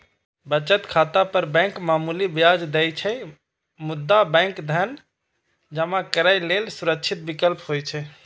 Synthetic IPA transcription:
bət͡ʃət̪kʰat̪apəɾbɛ̃kmamulibijad͡ʒd̪ɛjt͡ʃʰɛ | mud̪ːabɛ̃ŋkd̪ʱən | d͡ʒəmakəɾaɪlelsuɾəkt͡ʃʰit̪̚bikəlpɦojt͡ʃʰɛ

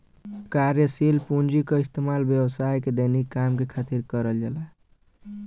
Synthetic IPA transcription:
kaɾjəsilpund͡ʒikəist̪emalbjəwsajked̪ənikːamkekʰat̪iɾkəɾəld͡ʒəla

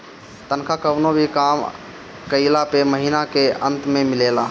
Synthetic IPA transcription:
t̪ənkʰakəbnobʱikam | kəɪlapeməɦinakeənt̪memilela

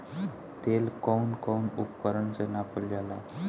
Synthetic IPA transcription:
t̪elkɔwnkɔnupkəɾəɳsenapəljala

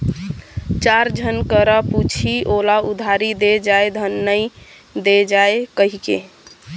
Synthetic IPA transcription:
t͡ʃaɾd͡ʒʱənkəɾəput͡ʃʰiʔolaud̪ʱaɾid̪ed͡ʒaed̪ʱənːəj | d̪ed͡ʒaekəɦikḛ

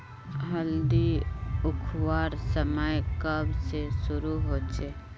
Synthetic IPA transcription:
ɦəld̪iʊkʰwaːɾsəməjkəbsesʊɾuɦoːt͡ʃe

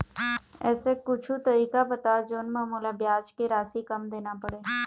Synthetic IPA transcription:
ɛ̰ːsekʊt͡ʃʰut̪əɾiːkabət̪ad͡ʒoːnmaːmuːlabjaːd͡ʒkeɾaːsikəmd̪eːnapəɽeː

